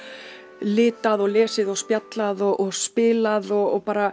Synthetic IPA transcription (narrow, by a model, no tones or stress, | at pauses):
lɪːt̪aðɔɣlɛːsɪðɔɣspjat̪laðɔʔɔɣspɪːlaðɔɣɔɣpaːɾa